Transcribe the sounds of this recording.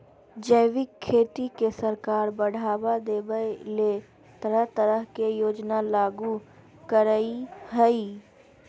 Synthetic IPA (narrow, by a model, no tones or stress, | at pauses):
d͡ʒəɪʋɪkʰːeːt̪ikesəɾkaːɾbəɽ̤ʱaːbad̪eːbəle | t̪əɾəɦt̪əɾəɦkejoːd͡ʒnalaːɡu | kəɾəiɦəiː